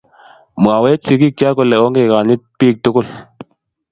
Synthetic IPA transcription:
mwa˨we˦t͡si˧˦ki˦kja˦ko˧˨lɛ˨o˦ŋɡe˦˨ka˨ni˦t̚piː˦˨k̚tu˦ku˦˨l

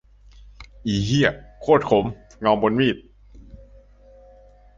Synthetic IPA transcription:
ʔiː˨˩ɦi˥˩əkʰoː˥˩t̪̚kʰo˩˦m | ŋɔː˧mbo˧nwiː˥˩t̪̚

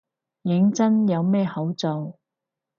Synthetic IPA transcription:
jɪ˨˥ŋt͡sɐ˥njɐ˨˧wmɛː˥hɐ˨˥wt͡sɔː˧w

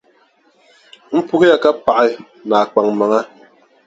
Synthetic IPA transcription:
m̩˦pu˦ki˦ja˨ka˦pa˨ʔi˦ | na˨k͡pa˨ŋ˨ma˨ŋa˦

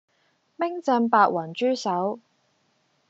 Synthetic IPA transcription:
mɪ˥ŋt͡sɐ˧npaː˨˧k̚wɐ˨˩nt͡ʃyː˥sɐ˨˥w

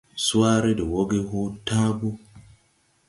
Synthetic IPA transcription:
su˦aː˦ɾe˦de˨wo˦ɡe˦ho˦taː˦bu˦

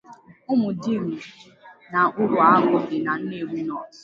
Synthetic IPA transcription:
ʊ˦mʊ˨di˦˨m̩˨ | na˨ʔʊ˦ɾʊ˨a˦ɡʊ˨ɪ˨na˨n̩˦ne˨wu˦nɔ˦˨

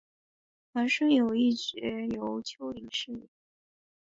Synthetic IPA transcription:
xa˧˥nʂɤ˥jo˨˩ʊi˥˩t͡ɕɥɛ˧˥jo˧˥ʊt͡ɕʰjo˧˥ʊi˨˩ŋʂɻ̩˥˩˨

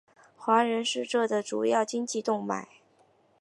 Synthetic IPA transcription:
xwa˧˥ɻə˧˥nʂɻ̩˥˧ʈ͡ʂɤ˥˩d̪ə˩ʈ͡ʂu˨˩jɑ˥˩ʊt͡ɕi˥ŋt͡ɕi˥˧t̪ʊ˥˩ŋma̰˨˩˦ɪ

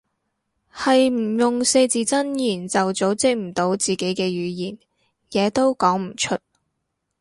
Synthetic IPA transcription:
hɐ˨jm̩˨˩jʊ˨ŋse˧jt͡siː˨t͡sɐ˥njiː˨˩nt͡sɐ˨wt͡so˨˥wt͡sɪ˧k̚m̩˨˩t̪o˨˧˥wt͡siː˨ke˨˥jkɛː˧ɥyː˨˧jiː˨˩n | jɛː˨˧t̪o˥wkɔː˨˥ŋm̩˨˩t͡ʃʰɵ˥t̚

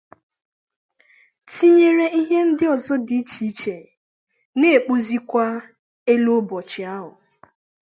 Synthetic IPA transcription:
ti˦ɲe˨ɾe˦i˦ɦe˦n̩˦dɪ˦ɔ˨zɔ˦dɪ˦i˦t͡ʃi˨˦t͡ʃe˨ | ne˦˨e˨k͡po˦zi˦kʷa˦ | e˦lo˦bɔ˨t͡ʃɪ˨a˦ɦʊ˨

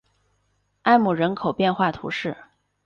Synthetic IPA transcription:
a˥˧ɪmu˨˩ɻə˧˥nkʰo˨˩ʊpjɛ˥˧nxwa˥˩t̪ʰṵ˧˥ʂɻ̩˥˩

